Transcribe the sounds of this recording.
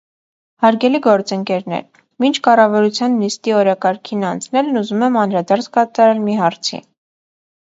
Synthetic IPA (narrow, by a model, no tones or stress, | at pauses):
hɑɾɡɛliɡɔɾt͡səŋkɛɾnɛ̰ɾ | mint͡ʃʰkɑrɑvɑɾut͡sʰjɑnːist̪iɔɾɑkɑɾkʰinɑnt͡sʰnɛlnuzumɛmɑnɾɑd̪ɑɾt͡sʰkɑt̪ɑɾɛlmiɦɑɾt͡sʰḭ